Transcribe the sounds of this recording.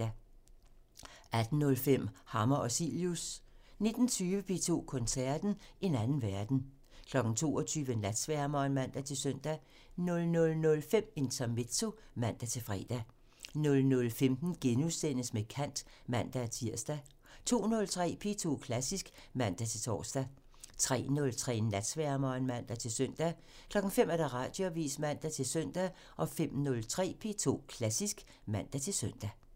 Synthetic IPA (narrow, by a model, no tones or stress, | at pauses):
ʔæd̥n̩ːɔ̽lfem̰hɑ̈mɐʔɒ̽sḭljusne̝d̥n̩t͡sʰyːʋəpʰe̝̰ːt͡sʰo̝̰ːkʰɔ̽nsæɐ̰d̥n̩e̝nænn̩ʋæɐd̥n̩ | kʰlɒ̽ɡ̥n̩t͡sʰo̝̰ːɒ̽t͡sʰyːʋəenlæd̥sʋæɐmɐenmæn̰d̥æt͡sʰe̝søn̰d̥æ | nɔ̽lnɔ̽lnɔ̽lfem̰e̝nt͡sʰæme̝̥t͡sʰo̝ | mæn̰d̥æt͡sʰe̝fʁɛ̰ːd̥æ | nɔ̽lnɔ̽lfemd̥n̩ɡ̥enusen̰əsmekʰæn̰d̥ | mæn̰d̥æt͡sʰiɐ̰sd̥æ | t͡sʰo̝̰ːnɔ̽lt͡sʰʁɛ̰ːpʰe̝t͡sʰo̝̰ːkʰlæsisɡ̥ | mæn̰d̥æt͡sʰe̝t͡sʰɒ̰ːsd̥æ | t͡sʰʁɛ̰ːnɔ̽lt͡sʰʁɛ̰ːnæd̥sʋæɐmɒnmæn̰d̥æt͡sʰe̝søn̰d̥æ | kʰlɒ̽ɡ̥ŋ̩femæɐd̥æʁɑ̰̈ːd̥joʋḭːsmæn̰d̥æt͡sʰe̝lsøn̰d̥æ | ʔɒ̽fem̰nɔ̽lt͡sʰʁɛ̰ːpʰe̝̰ːt͡sʰo̝̰ːkʰlæsisɡ̥ | mæn̰d̥æt͡sʰe̝lsœn̰d̥æ